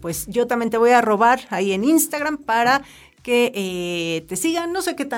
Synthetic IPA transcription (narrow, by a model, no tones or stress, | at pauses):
pwesʝot̪amjet̪eβojaroβaɾaieninst̪aɣampaɾa | keʔet̪esiɣanːoseket̪a